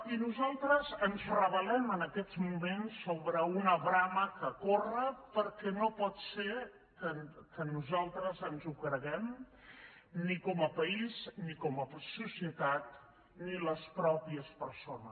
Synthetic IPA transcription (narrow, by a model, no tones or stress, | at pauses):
inuzalˠt̪ɾəzənzrəβəlɛmənəkɛd͡zmumensːoβɾəunəβɾaməkəkorəpəɾkɛnopɔt̪seɾ | kəkənuzalˠt̪ɾəzənzukɾəɣɛm | nikɔməpəiznikɔməsusiət̪at̪̚ | niləspɾɔpiəspəɾsonəs